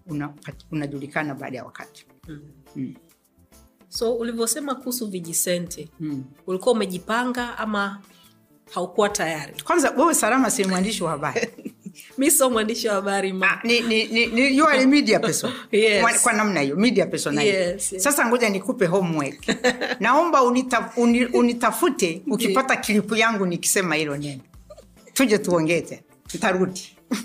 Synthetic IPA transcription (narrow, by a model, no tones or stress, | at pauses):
unapaunaʄulikanaɓa̰ːɗaja̰wa̰ka̰ti̥ | sɔulivjɔsɛmakuusuviʄisɛntʰɛulikuwaumɛʄipaŋɡaama | haukuwatajaɾikwanzawɛwɛsalamasinimwandiʃiwahaɓaɾ | misɔmwandiʃiwahaɓaɾimaninininijualimiɗiapɛsɔɛwakwanam̩nahijɔmiɗiapɛsɔnaɛssasaŋɡɔʄanikupɛɦɔmwɛɡnaɔmbaunitauniunitafutɛukipatakilipujaŋɡuniki̥sɛmahilɔnɛnɔ | tud͡ʒɛtuɔŋɡɛtɛnan̩taɾuɗi